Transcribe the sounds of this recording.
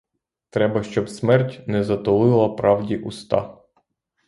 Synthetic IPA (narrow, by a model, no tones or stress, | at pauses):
t̪ɾɛbɐʃt͡ʃɔbsmɛrtʲnɛzɐt̪ɔlˠɪlˠɐpɾɑwdʲiʔust̪ɑ̰